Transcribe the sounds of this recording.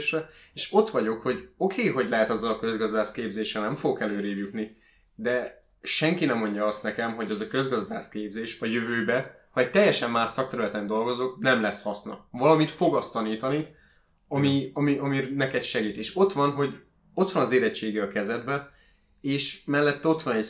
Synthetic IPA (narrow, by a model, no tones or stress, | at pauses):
ʃrɛeːʃo̞t̪ʋɒɟo̞kho̞ɟo̞kʰeːɦo̞ɟlɛɦɛt̪ɒzːɒlɒkø̞zɡɒzd̪aːskeːbzeːʃrɛlnɛmfoɡokɛløːɾeːjut̪ni | d̪ɛ | ʃɛŋkinɛmːo̞ɲɟɒɒst̪nɛkɛmɦo̞ɟɛzɒkø̞zɡɒzd̪aːskeːbzeːʃɒjøvøːbɛ | hɒɛc̚t̪ɛjːɛʃɛmːaːʃsɒkt̪ɛɾylɛt̪ɛnd̪o̞lɡo̞zo̞knɛmlɛshɒsnɒ̰vɒlɒmit̪fo̞ɡɒst̪ɒniːt̪ɒni | ɒmiɒmiɒminɛkɛt̪ʃɛɡiːt̪eːʃo̞t̪ʋɒnɦo̞ɟ | o̞t̪ʋɒnɒzeːɾɛt͡ʃːeːɡɛɒkɛzɛd̪̚bɛ | eːʃmɛlːɛt̪ːɛo̞t̪ʋɒnɛ